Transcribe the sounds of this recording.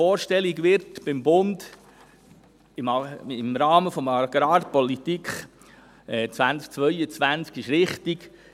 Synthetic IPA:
ɔːɾʃtɛliɡʋɪɾtb̥ɪmbʊnd | ɪmɪmɾɑːməfɔmɑɡ̥ɾɑːɾpɔlit̪ikχ | ɛt͡svænt͡sk̚t͡sʋœʏət͡sʋænt͡skɪʃɾɪχtiɡ

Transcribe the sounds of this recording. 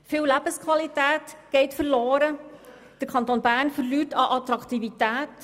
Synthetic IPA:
fɪːwlæb̥əskʰwɑlitæːtɡ̥ɛɪtfəɾloːɾə | d̥əɾkʰɑnt̪oːnbæːɾnfəɾlyːtɑʔɑt̪ɾɑktivitæːt

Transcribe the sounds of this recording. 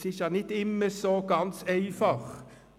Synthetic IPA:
sɪçənɪt̪ɪmːəsɔɡɑnsœʏfɔʁ

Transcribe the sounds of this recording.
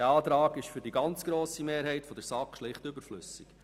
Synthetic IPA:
ɑːt̪ɾɑːɡɪʃfʏɾdiɡɑnt͡sɡ̥ɾoːsimeːɾɦɛɪtfɔd̪əɾsɑkʃlɪχtʏbəɾflʏ̰sɪk

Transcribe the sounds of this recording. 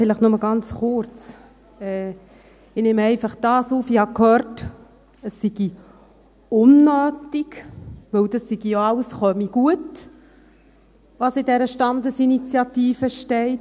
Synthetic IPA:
fɪləχnʊməɡ̥ɑnt͡sχʊrt͡s | ɛː | ɪnɪmɛɪfɑχd̥ɑːsuːfihɑkhœːrt | əsːiɡ̥i | ʊnːœːtiɡʋɵwdɑsːiɡ̥ijoɑwəsχœmiɡ̥uət | ʋɑsɪdɛɾəʃtɑnd̪əsinit͡sjɑt̪iːfəʃtɛɪt

